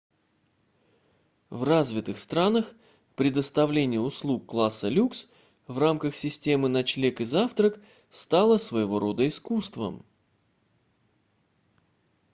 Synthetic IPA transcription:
vrazvʲɪt̪ɨxst̪ɾanəx | pɾʲɪd̪əst̪ɐvlʲenʲɪjəʊslˠukːlˠasːəlʲuks | vramkəxsʲɪsʲtʲe̞mɨnɐt͡ɕlʲekɨzaft̪ɾək | st̪alˠəsvəjɪvo̞ɾo̞d̪əɪskust̪və̰m

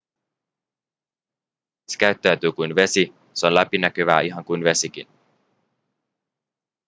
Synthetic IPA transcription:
se̥kæɥt̪ːæyt̪yːkujnʋe̞si | seo̞nlæpinæk̟øʋæ̰ːiɦɑŋkujnʋe̞sik̟ḭn

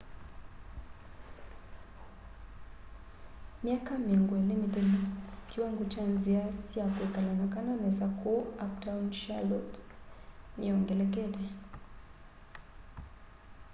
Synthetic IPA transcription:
miakamiŋɡwɛlimitɛlikiwaŋɡɔt͡ʃanziasiakwɛkalanakananɛsakʰɔaptaunʃalɔt | niɔŋɡɛlɛkɛɾɛ

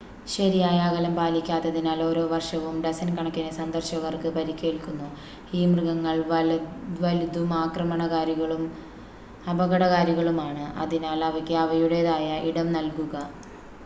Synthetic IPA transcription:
ɕɐɾijaːjaːɣɐlɐmpaːlikʲːaːt̪ːɐðinaːlo̞ːɾo̞ːʋɐrʂɐʋumdɐsɐnkɐɳɐkːinɐsɐnd̪ɐrɕɐɣɐrkɨpɐɾikʲːe̞ːɭkunːu | iːmrɨɣɐŋːɐɭ | ʋɐlid̪umaːkrɐmɐɳɐɣaːɾjuɣɐɭum | ɐbɐɣɐɽɐɣaːɾjuɣɐɭumaːɳɨʔɐ̰ðinaːlɐʋɐkʲːɨɐʋɐjuɽeðaːjɐʔiɽɐmnɐlkuɣɐ

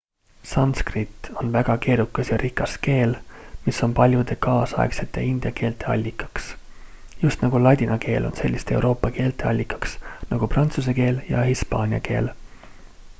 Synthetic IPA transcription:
sɑnskrit̪ːˑo̞nvæɡ̥ɑke̞ːɾukːˑɑsjɑɾikːˑɑske̞ːlmiso̞npɑlʲjud̪̥e̞kɑːsɑḛkse̞t̪ːˑe̞ind̪̥jɑke̞ːlt̪e̞ɑ̰lʲːikːˑɑ̥ks | just̪nɑɡ̥ulɑd̪̥ʲinɑke̞ːlʔo̞̰nse̞lʲːist̪ee̞̰wɾʔo̞ːpːˑɑke̞ːlt̪e̞ɑ̰lʲːikːˑɑ̥ksnɑɡ̥uprɑnt̪sus̬eke̞ːljɑ̰hispɑːnʲiɑ̰ke̞̰ːl

